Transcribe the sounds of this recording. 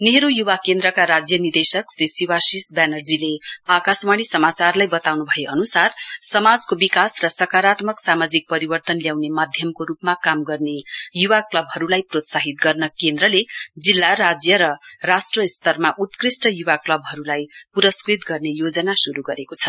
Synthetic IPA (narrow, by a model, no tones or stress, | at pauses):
neɾujuwakend̪rʌkaɾad͡zjʌnird̪esʌklesiwasisbanʌld͡zileakasmaɽ̃isʌmat͡sarlajbʌt̪awnubʱʌeʔʌnusarsʌmad͡zkobikasrʌsʌkaɾat̪mʌksamad͡zik̚pʌɾibʌrt̪ʌnljawnemad̪ʱjʌmkoɾupmakamɡʌrnejuwaklʌbɦʌɾulajprot̪saɦit̪̚ɡʌrnʌkend̪ɾʌled͡zilːaɾad͡zjʌɾʌrasʈrʌst̪ʌrmaʔut̪krisʈʌjuwaklʌbɦʌɾulajpuɾʌskrit̪ɡʌrnejod͡zʌnasuɾuɡʌɾekot͡sʰʌ